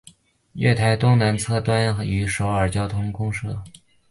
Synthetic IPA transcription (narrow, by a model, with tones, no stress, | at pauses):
ɥɛ̰˥˩t̪ʰa˧˥ɪt̪ʊ˥ŋna˧˥nt͡sʰɤ˥˧t̪wa˥ny˧˥ʂo˧˥ʊə˞˨˩t͡ɕjɑ˥ʊt̪ʰʊ˥ŋkʊ˥ŋʂɤ˥˩